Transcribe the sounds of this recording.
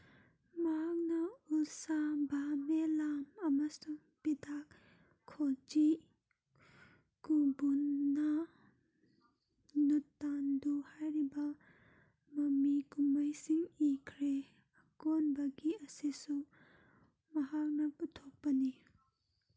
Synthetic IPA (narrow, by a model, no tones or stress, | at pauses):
mɐɦak̚nɐusabamelamɐmɐsuŋ | pidʰak | kʰːod͡ʒi | kubunːɐ | nutːanduhajɾibɐ | mɐmikumajsiŋikʰɾe | ɐkonbɐɡiɐsisu | mɐɦak̚nɐputʰok̚pɐni